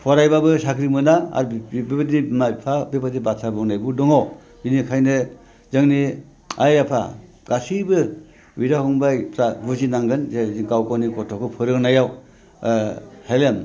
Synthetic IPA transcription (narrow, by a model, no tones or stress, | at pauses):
pʰɔɾajbabɯsakɾimɯnaa̰ɾbibatimapʰabibatibasʰabɯŋnajbudɔŋaw | binikʰajnɯ | zɯŋni | ajapʰa̰ | ɡ̥asibɯ | wiɾahɯŋbajpʰɾaɡuzinaŋɡɯnzezikawkɔnikɔtʰɔkʰɯpʰɯɾɯŋnajaw | helem